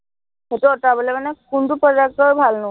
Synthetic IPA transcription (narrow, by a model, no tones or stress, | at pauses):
hetuɔtabɔlɛmanɛkuntupɔd͡ʒak̚tɔɹbʱalnʊ